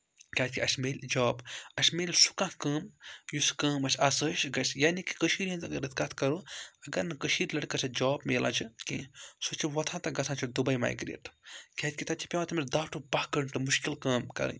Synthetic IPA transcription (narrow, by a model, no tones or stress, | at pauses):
kʲaːt̪ʰʲkʲiɐsʲmeːlʲd͡ʒɔːbɐsʲmeːlʲsu̥kãkəːmjuskɐːmɐsʲɐsəʃɡɐsʲjaːniki̥kəʃiːɾɐnt̪ɐɡɐɾɐt̪ʰkat̪ʰkɐɾuːɐɡɐɾnɨkəʃiːɾlɐɽkɐsʰɐd͡ʒɔːbmeːlã̰ːt͡ʃʰikḭ̃sot͡ʃʰiʋɐt̪ʰãːt̪ɐɡɐsʰãt͡ʃʰid̪ubɐjma̰ːjɡɾḛːʈʰkʲaːt̪̚ʰʲkʲit̪ɐt̪t͡ʃʰi̥pʲewãt̪ɐmʲiɾd̪aːwʈubahkɐɳʈɨmuʃkilkɐːmkɐ̰ɾɐ̰n